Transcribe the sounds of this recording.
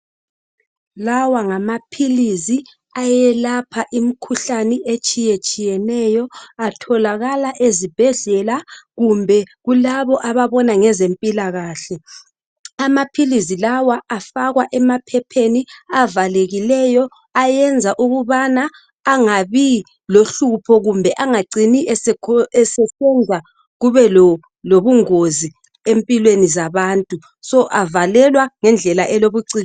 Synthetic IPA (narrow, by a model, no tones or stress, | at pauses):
lawaŋamapʰilizi | ajɛlapʰaʔimikʰuɬaniʔet͡ʃʼijet͡ʃʼijɛnɛjɔatʰɔlaɣalaʔezib̥ʱɛɮɛlaɣumbʱɛɣulaβɔʔaβaβɔnaŋɛzempʼilaɣaːɬɛ | amapʰilizilawaʔafaɣwaʔɛmapʰɛpʰeniavaleɣilɛjɔ | ajɛnd͡zʱaʔuɣuβanaː | ŋaβi | loɬupʰɔɣumbʱɛʔaŋaǀiniʔɛɛsɛsɛnd͡zʱa | ɣuβɛl | loβuŋozi | empʼilwenizaβantʼu | sɔʔavalɛlwaŋɛnd͡ɮʱɛlaʔɛloβuǀiː